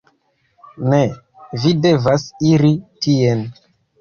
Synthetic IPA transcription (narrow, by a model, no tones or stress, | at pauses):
ne | vide̞vasiɾitien